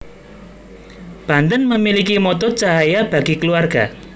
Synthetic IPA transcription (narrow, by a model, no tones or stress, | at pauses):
b̥ant̪ənməmilikimɔt̪ɔt͡ʃaɦajab̥a̤ɡikəluarɡa